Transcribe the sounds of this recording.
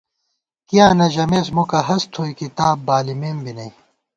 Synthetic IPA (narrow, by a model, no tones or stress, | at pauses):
kijaːnɐʑɐmeːsmokɐɦɐst̪ʰoːikit̪aːbbaːlimeːmbinɐĩ